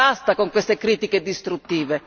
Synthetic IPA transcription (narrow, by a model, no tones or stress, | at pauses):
ast̪akoŋkwest̪ekɾiːt̪iked̪ist̪ɾut̪ːiːve